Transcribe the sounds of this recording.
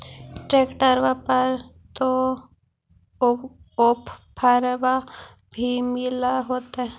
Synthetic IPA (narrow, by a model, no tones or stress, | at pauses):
ʈɾeːkʈəɾʋapəɾ | t̪o | opʰpʰəɾʋa | bʱimɪlaɦoːt̪aɦɛ